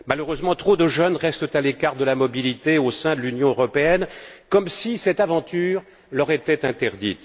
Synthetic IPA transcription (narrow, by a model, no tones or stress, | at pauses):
maløʁøzmɑ̃t̪χod̪əʒœnʁɛst̪ət̪alekaʁd̪əlamɔbilit̪eosɛ̃d̪əlynjɔ̃øʁɔpeɛnkɔmsisɛt̪avɑ̃t̪yːʁ | lœʁet̪ɛt̪ɛ̃t̪ɛʁd̪ḭt̪